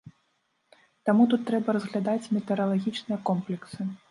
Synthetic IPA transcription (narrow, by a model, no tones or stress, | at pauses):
t̪amut̪ut̪ːɾɛbɐɾɐzɣlʲad̪at͡sʲmʲɛt̪ɛɾɐlˠaɣʲit͡ʂnɨjɐkɔmplʲɛksɨ